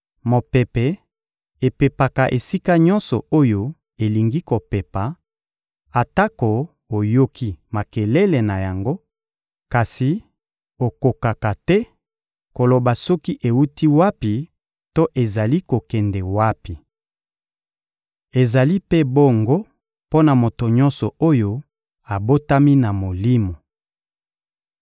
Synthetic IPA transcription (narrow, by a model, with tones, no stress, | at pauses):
mo˨pe˨pɛ˨ | e˨pe˨pa˨ka˨ʔe˨si˦ka˦ɲɔ˦nsɔ˨o˦jo˦ | e˨li˨ŋɡi˦ko˨pɛ˨pa˨ | a˨ta˦ko˨ | o˨jo˦kʰi˦ma˨kɛ˨le˦le˨na˨ja˨ŋɡo˦ | ka˨si˨ | o˨ko˨ka˨ka˨tɛ˦ | ko˨lo˨ba˨sɔ˦ki˦ʔe˨wu˦ti˦wa˦pi˨ | to˦ʔe˨za˨li˦ko˨kɛ˨ndɛ˨wa˦pi˨ | e˨za˨li˦pe˦bo˦ŋɡo˦ | po˦na˨mo˨to˨ɲɔ̃˦nsɔ˨o˦jo˦ | a˨bo˦ta˦mi˦na˨mo˨li˦mo˨